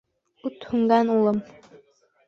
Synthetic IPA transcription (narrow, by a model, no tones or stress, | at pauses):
ʉt̪hʉŋɡɑnulˠɤm